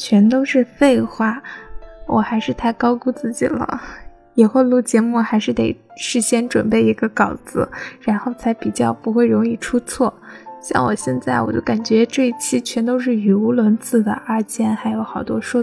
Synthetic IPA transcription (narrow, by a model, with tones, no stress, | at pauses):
t͡ɕʰɥɛ˧˥nt̪o˥ʊʂɻ̩˥˧fe˥˧ɪxwa˥˩wʔɔ˨˩xa˧˥ɪʂɻ̩˥˧t̪ʰa˥˩ɪkɑ˥ʊku˥˧t͡sɹ̩˥˩t͡ɕi˨˩lə̰˦ | jɛ˨˩xwe˥˧lu˥˩t͡ɕjɛ˧˥mu˥˩xa˧˥ɪʂɻ̩˥˩t̪e˨˩ɪ | ʂɻ̩˥˩ɕjɛ˥nʈ͡ʂwə˨˩npe˥˩ɪi˧˥ɡə˧kɑ˨˩ʊt͡sɹ̩˧˥˦ɻa˧˥nxo˥˩ʊt͡sʰa˧˥ɪpi˨˩t͡ɕjɑ˥˩ʊpu˧˥xwe˥˩ɪɻʊ˧˥ŋi˥˩ʈ͡ʂʰu˥t͡sʰwɔ˥˩ɕjɑ̰˥˩ŋwɔ˨˩ɕjɛ˥˧nt͡sa˥˩ɪwɔ̰˨˩t͡ɕjo˥˩ʊka˨˩nt͡ɕɥɛ˧˥ʈ͡ʂɤ˥˧i˥˩t͡ɕʰi˥t͡ɕʰɥɛ˧˥nt̪o˥ʊʂ̬ɻ̩˥˩y˧˥u˧˥lwə˧˥nt͡sʰɹ̩˥˩d̪ə̰˩ʔa˥t͡ɕjɛ˥˩nxa˧˥ɪjo˧˥ʊxɑ˨˩ʊt̪wɔ˥ʂwɔ˥